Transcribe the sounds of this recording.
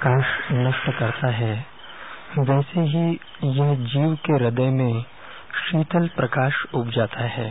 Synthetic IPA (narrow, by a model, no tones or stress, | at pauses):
kaːʃnɐʃʈkɐɾt̪aɦɛː | ʋɛːseɦi | jɐɦd͡ʒiːʋkeɾɪd̪əjmẽ | ʃiːt̪əlpɾɐkaːʃʊpd͡ʒaːt̪ʰaɦɛː